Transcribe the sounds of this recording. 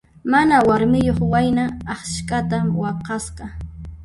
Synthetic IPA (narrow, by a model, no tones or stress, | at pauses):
manawaɾmɪjoχwajnaːχʃkat̪awɑqɑsqɑ